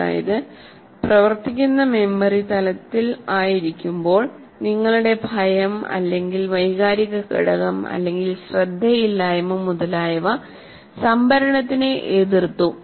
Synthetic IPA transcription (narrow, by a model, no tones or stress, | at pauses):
a̰ːjɐ̰ðɨ | prɐʋɐrt̪ikʲːunːɐme̞mbɐrit̪ɐlɐt̪ːilaːjiɾikʲːumbo̞ːɭ | niŋːɐɭuɽe̞bʱɐjɐmɐ̰lːe̞ŋɡilʋɐjɣaːɾiɣɐkḭɽɐɣɐmɐ̰lːe̞ŋɡilɕrɐd̪ʱːɐjilːaːjɐmomuðɐlaːjɐʋɐ | sɐmbʱɐɾɐɳɐt̪ːineʔeːðirt̪ːu